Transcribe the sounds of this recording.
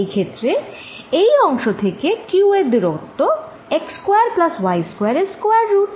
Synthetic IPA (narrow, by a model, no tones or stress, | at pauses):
jkʰet̪ːɾe | ejɔŋʃot̪ʰekekjued̪iɾot̪ːo | ekskweaɾplaswajskoejaɾeskoeaɾːuʈ